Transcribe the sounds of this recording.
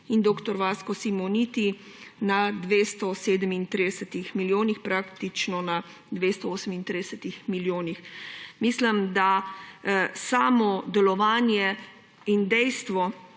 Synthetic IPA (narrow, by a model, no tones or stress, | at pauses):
ind̪oːkt̪ɔɾʋaːskɔsimɔnit̪i | nad̪ʋeːst̪ɔseːd̪əmint̪ɾid̪ɛsɛt̪ixmiljoːnixpɾaːkt̪it͡ʃnɔna | d̪ʋeːst̪ɔoːsəmint̪ɾid̪ɛsət̪ixmiljoːnixmisləmd̪a | saːmɔd̪ɛlɔʋaːnjɛ | ind̪ɛjst̪ʋɔ